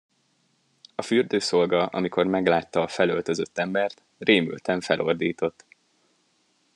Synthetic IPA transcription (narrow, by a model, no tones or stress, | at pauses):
ɒfyrd̪øːso̞lɡɒʔɒ̰miko̞rmɛɡlaːt̪ːɒːfɛlølt̪øzøt̪ːɛmbɛrt̪ | reːmy̰lt̪ɛɱfɛlʔo̞̰rd̪iːt̪o̞t̪ː